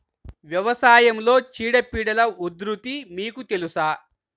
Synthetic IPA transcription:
ʋjɐʋɐsaːjɐmlo̞ːt͡ʃiːɽɐpiːɽɐlɐud̪ɾut̪imiːkut̪elusaː

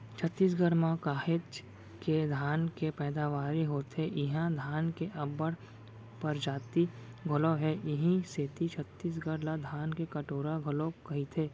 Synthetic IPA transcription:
t͡ʃʰət̪ːiːs̬ɡəɽmãkaːɦet͡ʃ | ked̪ʱaːnkepɛːd̪aʋaːɾiɦoːt̪eʔɪɦãd̪ʱaːnkeʔɐbəɽ | pəɾd͡ʒaːt̪i | ɡʱʊloɦɛʔɪɦĩseːt̪it͡ʃʰət̪ːiːs̬ɡəɾlad̪ʱaːnkekɐʈoːɾaɡʱʊlokɐɦit̪ʰeː

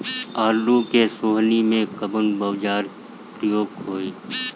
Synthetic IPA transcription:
aːlukesoːɦnimẽkəbənbəʋd͡ʒaːɾ | pɾəjoːɡɦoːeː

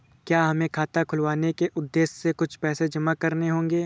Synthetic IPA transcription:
kjaːɦɐmẽkʰaːt̪akʰʊlʋaːnekeʔʊd̪ːeːʃsekʊt͡ʃʰpɛːsed͡ʒɐmakɐɾneɦõːŋ̆ɡeː

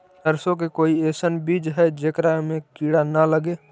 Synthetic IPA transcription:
təɾsõkekoːieːsənbiːd͡ʒɦɛd͡ʒekɾamẽkiːɽanaləɡeː

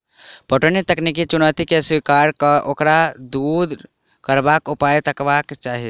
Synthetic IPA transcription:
pəʈənit̪əknik̬it͡ʃunat̪ikeswikaɾkʔokɾad̪ud̪ʱ | kəɾbakupajt̪əkbakt͡ʃaɦi

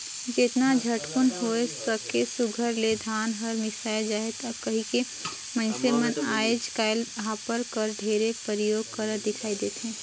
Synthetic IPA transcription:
d͡ʒet̪nad͡ʒʱɐʈkʊnɦoːest̪əkesʊɡʱəɾled̪ʱaːnɦəɾmɪsaːɪld͡ʒaːɦet̪ɐkɐɦĩke | mɐ̃nsemɐnaːed͡ʒkaːɪlɦaːpəɾkəɾɖʱeːɾepəɾjoːɡ̚kɐɾəɾd̪ɪkʰaːid̪eːt̪ɦɛ̃ː

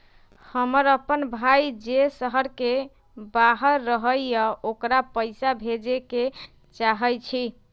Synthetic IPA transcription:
həməɾəpənbʱajd͡ʒesəɦəɾke | baɦəɾːəɦəjjəokɾapəjsabʱed͡ʒeke | t͡ʃaɦəjt͡ʃʰi

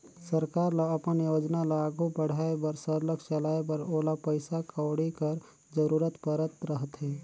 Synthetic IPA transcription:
səɾkaːɾlaɐpənjoːd͡ʒnalaːɡubəɽ̤aːebɐɾsəɾləkt͡ʃəlaːebɐɾoːlapəɪsakəːɽikəɾ | d͡ʒəɾuːɾət̪pəɾət̪ɾəɦət̪ɦɛː

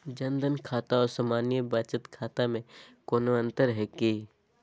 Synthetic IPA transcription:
d͡ʒənd̪ənkʰaːt̪aɔːɾsamaːnijəbaːt͡ʃət̪kʰaːt̪amẽkoːnoɐ̃nt̪əɾɦɛki

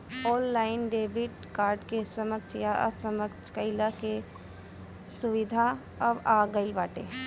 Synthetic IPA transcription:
ɔːlːaːɪnɖeːbiʈ | kaːɾɖkesəməsjaʔə̰səməkt͡ʃʰkəɪlake | suʋɪd̪ʱa | əbaɡəɪlbaːʈḛ

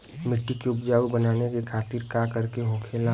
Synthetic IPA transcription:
mɪʈːikeʊpd͡ʒaːʋbənaːnekekʰaːt̪iɾkakəɾkeɦõːkʰela

